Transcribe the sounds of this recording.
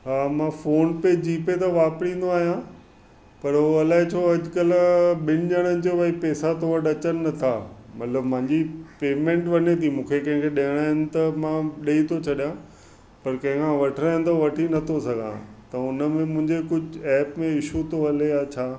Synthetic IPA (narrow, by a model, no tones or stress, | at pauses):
ɦaːmãfoːnped͡ʑiːpet̪̬aʋaːpɽ̃ĩːn̆d̪oaːɦijã | pɐɾɦoɐlaːɦet͡ɕʰoːɐd͡ʑkəlɓɪnɪʄəɽ̃ənɪ̆d͡ʑoʋɐipɛːsat̪oːʋɐɖɐt͡ɕənnɐt̪ʰa̰ːmɐt̪ləbmãɲd͡ʑipeːmẽɳʈʋɐnet̪ʰimũːkʰekɐ̃ɦɪ̃ŋkʰeɗɐɦəɽ̃aːɦɪnɪ̆t̪ɐmãɗeit̪ʰot͡ɕʰɐɗijã | pɐɾkɐ̃ɦɪ̃ŋkʰãʋɐʈʰəɾaːɦɪ̃nt̪oʋɐʈʰinɐt̪ʰosɐɡʱã̰t̪ɐʊnə̆mẽmʊ̃ɦɪ̃ɲd͡ʑekʊd͡ʑʱɛːpmẽɪʃut̪oɐlejat͡ɕʰaː